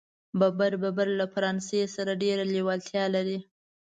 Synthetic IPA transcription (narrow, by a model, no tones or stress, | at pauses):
babaɾbabaɾlafaɾɑnsesaɾaɖeɾalewalt̪ʰjɑlaɾi